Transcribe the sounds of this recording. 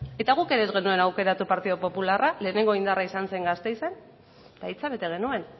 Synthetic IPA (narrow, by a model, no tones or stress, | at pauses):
e̞t̪aɣ̞uke̞ɾe̞zɣe̞nue̞nawke̞ɾat̪upaɾt̪iðo̞po̞pularʔale̞ːne̞ŋɡo̞ind̪araisanse̞ŋɡast̪e̞jse̞n | t̪ait͡saβe̞t̪e̞ɣ̞e̞nue̞n